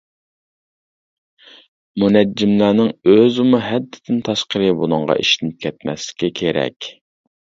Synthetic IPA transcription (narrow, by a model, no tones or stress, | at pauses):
munɛd͡ʒːɪmlæːnɪŋøzumuɦɛd̪ːɪd̪ʰɪnt̪ʰɑʃqəɾɨbulˠʊŋʁɑ̰ʔḭʃɪnɪp̚kʲʰɛt̪̚mɛ̰slɪ̥kʲikʲʰeɾɛ̰kʲ